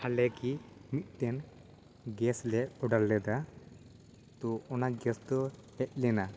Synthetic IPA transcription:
halɛkimit̪̚ˀt̪ɛn | ɡɛslɛɔɖalːɛd̪a | t̪ɔɔnaɡɛsd̪ɔhɛʔ̪̚lɛna

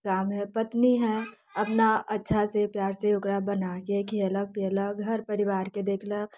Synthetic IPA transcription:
kaːmɦɛpɐt̪niɦɛ̃ | ɐpnaɐtːʃʰasepjaːɾseʊkɾabənakekiələk̚pːləɡɡʱəɾpəɾɪʋaːɾked̪eːkʰlək̚

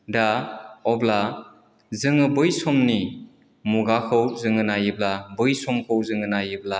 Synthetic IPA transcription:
daɔbla | zɯŋɯbɯjsɔmni | muɡakʰɯwzɯŋɯnajɯblabɯjsɔmkʰɯwzɯŋɯnajɯbla

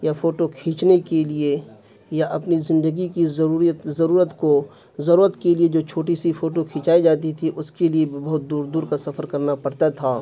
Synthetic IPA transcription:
jafoːʈokʰĩːt͡ʃnekelie | jaʔɐpnizɪ̃nd̪əɡikizuːɾt̪zɐɾuːɾət̪ko | zɐɾuːɾət̪kelied͡ʒoːt͡ʃʰoːʈisifoːʈokʰĩːt͡ʃaːid͡ʒaːt̪̬it̪ʰiʔʊskeliebɐɦʊt̪̚d̪uːɾd̪uːɾkasɐfəɾkɐɾnapɐɽt̪at̪ʰaː

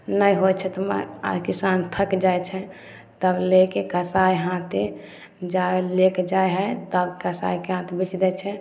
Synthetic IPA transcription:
nəjɦojt͡ʃʰɛt̪mə̰a̰ɾkisant̪ʰəkd͡ʒajt͡ʃʰɛ | t̪əblekekəsajɦãt̪e | d͡ʒalekd͡ʒaeɦət̪əbkəsa̰jkeɦãt̪ebit͡ʃd̪ɛt͡ʃʰɛ

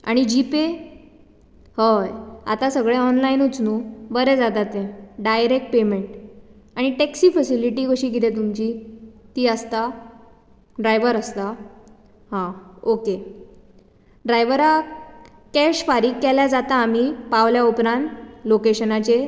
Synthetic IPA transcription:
a̰ɽ̃id͡ʑipe | həja̰t̪asəɡɭeɔnlainut͡snuːbəɾɛd͡zat̪at̪ẽɖajɾek̚ʈ̚pemeɳʈ | aɽ̃iʈeksiːfəsiliʈikəɕiːɡit̪et̪̬umt͡ɕiːt̪iːəst̪a | ɖɾajʋəɾəst̪a | hãoke | ɖɾajʋəɾa | kɛɕfaɾiːkːɛljad͡zat̪aːm̤iːpaʋljaupɾãnt̪lokeɕənat͡ɕe

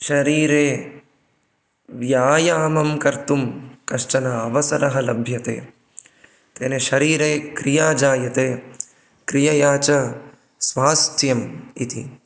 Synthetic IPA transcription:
ʃɐɾiːɾeː | ʋjaːjaːmɐmkɐɾt̪umkɐʃʈɐnɐɐʋɐsɐɾɐɦɐlɐbʱjɐt̪ḛː | t̪eːneʃɐɾiːɾeːkɾijaːd͡ʒaːjɐt̪eː | kɾijɐjaːt͡ʃɐ | sʋaːst̪ʰjɐmḭt̪ḭ

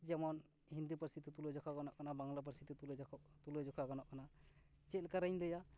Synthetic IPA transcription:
d͡ʒɛmɔn | hind̪upəɾsit̪it̪ulɔd͡ʒɔkʰaɡɔnɔʔkanabaŋlap̬əɾsit̪it̪ult̪ulɔd͡ʒɔkʰaɡɔnɔʔkana | t͡ʃɛlkaɾaɲd̪ɛja

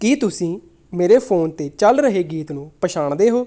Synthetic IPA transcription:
kiːt̪ʊsĩː | meːɾeːpʰoːnt̪eːt͡ʃəlɾəɦeːɡiːt̪nũːpəʃaːɳd̪eːɦoː

